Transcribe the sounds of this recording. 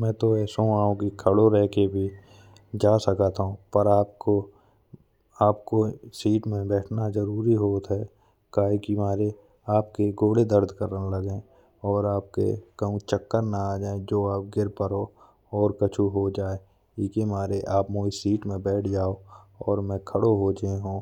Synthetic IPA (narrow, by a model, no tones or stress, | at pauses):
mɛ̃ːt̪oɛːsoaːõkikʰəɽoɾɛɦkebʱi | d͡ʒaːsəkat̪ʰũpəɾaːp̚ko | aːpkosiːʈmẽbɛːʈʰnazəɾuːɾiɦoːt̪ɦɛː | kaːekimaːɾe | aːpkeɡoːɽed̪əɾd̪ʱkəɾaləɡẽː | ɔːɾaːp̚kḛkəɦũt͡ʃəkːəɾnaaːd͡ʒaːed͡ʒoːaːp̚ɡɪɾpəɾo | ɔːɾkət͡ʃʰuɦod͡ʒaːe | ɪːkemaːɾeʔaːpmoːisiːʈmẽbɛːʈʰd͡ʒaːoɔːɾmɛ̃ːkʰəɽoɦod͡ʒəeɦũː